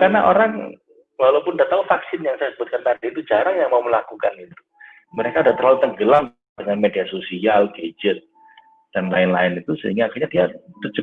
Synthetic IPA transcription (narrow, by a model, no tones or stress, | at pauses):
karnaʔoɾaŋ | lalopʊndat̪aufaksɪnjaŋsajasəbʊt̪̚kant̪ardiit̪ud͡ʒaɾaŋjaŋmauməlakukanɡit̪u̥ | məɾekaudaht̪ərlalut̪əŋɡəlaŋ | dəŋanmediasosialɡed͡ʒət̪̚ | d̥anlaɪnla̰ɪnit̪usə̰ɦiŋɡaːkiɲadiat̪ərt͡ʃə